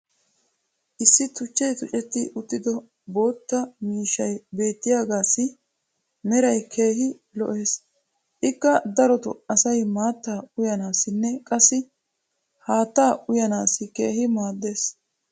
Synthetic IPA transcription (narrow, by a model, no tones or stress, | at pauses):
ʔɪsːɪt̪ʊt͡ʃːɛjt̪ʊt͡ʃʼɛt̪ːɪʔʊt̪ːɪd̪ɔ | bo̞ːt̪ːɐmiːʃɐjbe̞ːt̪ːɪjaːɡaːsɪ | mɛɾɐjkʰe̞ːhɪ | lɔ̰ʔe̞ːs | ʔɪkːɐd̪ɐɾɔt̪ɔ̰ɐsɐjmaːt̪ːaːʊjɐnaːsɪnːɛkʼɐsːɪ | haːt̪ːaːʔʊjɐnaːsɪkḛːɦɪmaːd̪ːe̞ːs